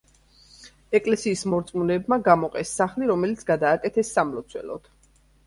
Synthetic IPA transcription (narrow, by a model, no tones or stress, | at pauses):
ɛkʼlɛsiːsmɔɾt̪sʼmunɛbmaɡamɔqʼɛsːaχliɾɔmɛlit̪sʰɡad̪aːkʼɛt̪ʰɛsːamlɔt̪sʰwɛ̰lɔ̰d̪̥